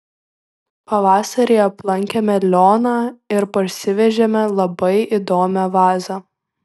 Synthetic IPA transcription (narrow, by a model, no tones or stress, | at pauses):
pɐʋɑːsɐɾʲeːɐplˠɐŋʲkʲemʲɛlʲoːnɑːɪɾpɐʃʲsʲɪʋʲɛʒʲemʲɛlˠɐbɐɪʔid̪oːmʲɛʋɑːzɑ